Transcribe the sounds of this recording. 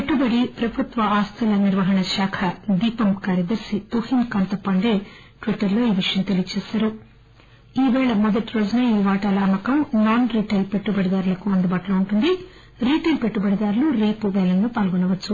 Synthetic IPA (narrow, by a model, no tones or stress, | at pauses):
peʈːubɐɽipɾɐbʱut̪ʋɐaːst̪ʰɐlɐniɾʋɐɦɐɳɐʃaːkʰɐd̪iːpɐmkaːɾjɐd̪ɐɾsit̪uhinkɐnt̪ɐpːɐɳɖeː | ʈʋiʈːɐɾlo̞ːiːʋiʂɐjɐmt̪elijɐt͡ʃɛːsaːɾu | iːʋɛːɭɐmɔd̪ɐʈiɾoːd͡ʒnɐiːʋaːʈɐlɐːmɐkɐmnaːnɾiːʈɐjlpeʈːubɐɽid̪aːɾlɐkuɐnd̪ubaːʈɐloːuɳʈund̪i | ɾiːʈɐlpeʈːubɐɽid̪aːɾluɾe̞ːpuʋɛːlɐnloːpaːlɡɔnɐʋɐt͡ʃːu